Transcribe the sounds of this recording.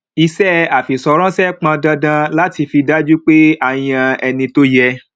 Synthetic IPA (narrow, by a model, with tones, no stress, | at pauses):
i˧sɛ˦a˨fi˨sɔ˧ɾ̃ɔ̃˦sɛ˦k͡pã˧dã˧dã˧la˦ti˧fi˧da˦d͡ʒu˦k͡pe˦a˧˨j̃ã˧ɛ˧nĩ˧to˦jɛ˧